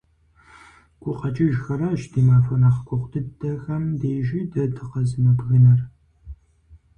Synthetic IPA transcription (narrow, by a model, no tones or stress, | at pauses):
kʷʼʊqɐt͡ʃʼɪʒxɐɾɐʒdiːmaːfɐnaχkʷʼʊχʷtʰɨdɐxɐmdeːʒiːdɐdɨqɐzɨmɐbɣɨnɐr